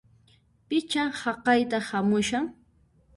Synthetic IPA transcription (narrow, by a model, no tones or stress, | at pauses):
pɪt͡ʃaŋhɑqɑjt̪ahamʊʃaŋ